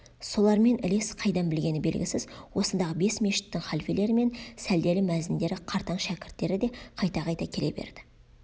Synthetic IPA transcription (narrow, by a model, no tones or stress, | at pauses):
so̞lˠɑɾme̞nʔɪle̞sqʰɑjd̪ɑnbɪlɡʲe̞nɪbe̞lɡʲɪsɪzwo̞sənd̪ɑʁəbe̞sme̞ʃɪ̥t̪ːɪŋχɑlfele̞ɾɪme̞nsæld̪e̞lɪmæzɪnd̪e̞ɾɪqʰɑɾt̪ɑɴʃækʲɪɾt̪ːe̞ɾɪd̪e̞qʰɑjt̪ɑqʰɑjt̪ɑkʲʰe̞le̞̰be̞̰ɾd̪̥ɪ̥